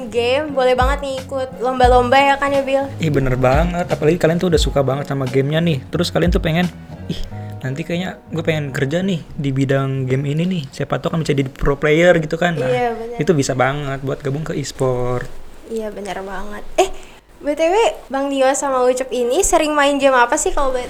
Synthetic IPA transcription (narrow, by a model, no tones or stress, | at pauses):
ɡɛmbolɛhbaŋət̪̚niikʊt̪̚lombalombajakanjabɪlɪhbənərbaŋət̪apalaɡikaliant̪uudahsukabaŋət̪̚samaɡɛmɲanɪht̪əɾʊskaliant̪upeŋɛn | ɪhnant̪ikajɲa | ɡuɛpeŋɛnkərd͡ʒanɪhdibidaŋɡɛmininɪhsajapat̪okanbisadidipɾoplejərɡit̪ukanlaabənit̪ubisabaŋət̪̚buat̪̚ɡabʊŋkəispɔrt̪̚ | ijabənərbaŋət̪̚ɛh | bət̪ewɛbaŋdiwasamaut͡ʃap̚inisəɾɪŋmaɪnɡɛmapasɪhkalobt̪